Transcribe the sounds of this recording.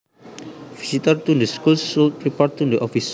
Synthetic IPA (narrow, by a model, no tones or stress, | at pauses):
v̥isit̪ərt̪udəskulsulɹipɛɹt̪undəʔɔfis